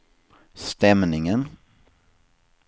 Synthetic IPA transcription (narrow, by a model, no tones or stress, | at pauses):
st̪ɛmnɪŋən